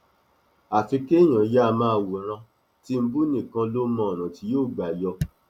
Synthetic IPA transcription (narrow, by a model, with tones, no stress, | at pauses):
a˨fi˨˧ke˦˨j̃ã˨ja˦˧mãː˦˧˨wu˨ɾ̃ã˧ | ti˦m̩˦bu˦nĩ˦˨kã˧lo˦mɔ̃˧˨ɾ̃ã˨ti˧˦joː˦˨ɡ͡ba˨jɔ˧